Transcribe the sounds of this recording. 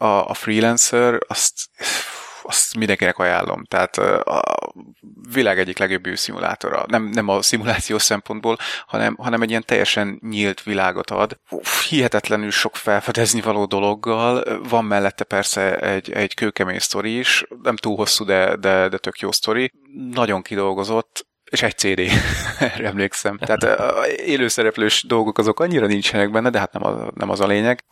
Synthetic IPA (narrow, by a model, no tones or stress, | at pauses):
ɒ̰ːfriːlɛnsɛrɒst̪ | ɒst̪mind̪ɛŋkinɛkɒja̰ːlːʔo̞̰mt̪a̰ːt̪ɒ̰ | vilaːɡɛɟːiklɛɡjo̞bːøːsimṵlʔa̰ːt̪o̞̰ɾɒ̰nɛmnɛmɒsimulaːt̪sijoːʃsɛmpo̞nd̪boːlhɒ̰nɛ̰mɦɒnɛmɛɟijɛnt̪ɛ̰jːɛ̰ʃɛnɲilt̪ʋilaːɡo̞̰t̪ɒ̰d̪uhiɦɛt̪ɛt̪lɛnylʃo̞kfɛlfɛd̪ɛznivɒloːd̪o̞lo̞ɡːɒlvɒmːɛlːɛt̪ːɛpɛrsɛɛ̰ɟɛ̰ɟ̥køːkɛmeːɲst̪o̞ɾiːʃnɛmt̪uːlɦo̞sːud̪ɛd̪ɛd̪ɛt̪ø̞kjo̰ːst̪o̞ɾi | nɒɟo̞ŋkid̪o̞lɡo̞zo̞t̪ː | eːʃɛɟ̥̚t̪seːd̪eːɛɾɛmleːksɛmt̪ɛɦaːt̪eːløːsɛɾɛpløːʃd̪o̞lɡo̞kɒzo̞kɒɲːiɾɒnint͡ʃɛnɛɡ̚bɛnːɛd̪ɛɦat̪nɛ̰mɒ̰nɛ̰mɒzɒleːɲɛɡ